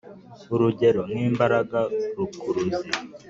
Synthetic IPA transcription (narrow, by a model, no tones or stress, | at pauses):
uɾuɟe̞ɾo̞niːmbaɾaɡaɾukuɾuze